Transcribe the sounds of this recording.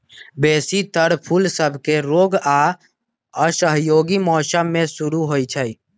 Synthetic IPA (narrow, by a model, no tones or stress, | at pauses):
beːsit̪əɽpʰulsəbʱkeɾoɡa | əsəɦjoɡimɔːsəmːẽsuɾuɦojt͡ʃʰəj